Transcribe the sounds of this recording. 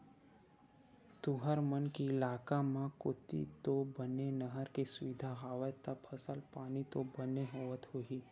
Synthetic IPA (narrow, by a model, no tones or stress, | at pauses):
t̪uɦəɾmənkiɪlaːkamãkʊt̪ḭt̪obənenəɦəɾkesʊʋɪd̪ʱaɦaːʋət̪əbpʰəsəlpaːnit̪obəneɦoːʋət̪ɦoɦiː